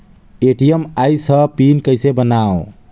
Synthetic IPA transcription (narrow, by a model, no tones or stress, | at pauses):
eʈiəmajsəpinkəjsebənao